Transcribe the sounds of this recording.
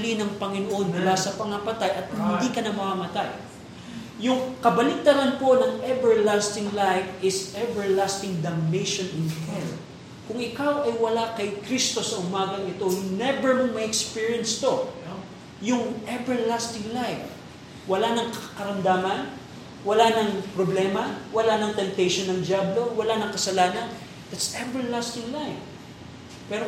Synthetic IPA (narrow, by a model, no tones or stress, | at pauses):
linɐŋpɐŋɪnoʔo̞nmʊlasɐpɐŋɐpɐt̪ajʔɐt̪̚hɪnd̪ikɐnɐmɐmamɐt̪aj | jʊŋkɐbɐlit̪ɐɾɐnpo̞nɐŋʔɛbɛɹlast̪ɪŋlajfɪsʔɛbɛɹlast̪ɪŋd̪ɐmnejʃonɪnhɛl | kʊŋɪkawʔɐjwɐlakɐjkɾist̪o̞sɐʔʊmaːɡɐŋɪt̪o̞nɛbɛɹmɐmɐʔɛkspiɹijɐnst̪o̞ | jʊŋʔɛbɛɹlast̪ɪ̃ŋlajf | wɐlanɐŋkɐkɐɾɐmd̪aːmɐn | wɐlanɐŋpɾoblɛmɐwɐlanɐŋt̪ɛmt̪ɛjʃonːɐŋd͡ʒjablowɐlanɐŋkɐsɐlaːnɐn | d̥̪at̪sɛvɛɹlast̪ɪŋlajf | pɛɾo